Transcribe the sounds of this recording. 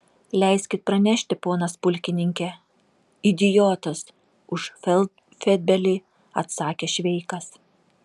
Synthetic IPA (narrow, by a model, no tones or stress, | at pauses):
lʲɛɪsʲkʲɪt̪̚pɾɐnʲæʃʲt̪ʲɪpoːnɐspʊlʲkʲɪnʲɪŋʲkʲɛ | ɪd̪ʲɪjoːt̪ɐs | ʊʃɛl | fʲɛd̪̚ʲbʲɛlʲiː | ɐt̪sɑːkʲeːʃʲʋʲɛɪkɐs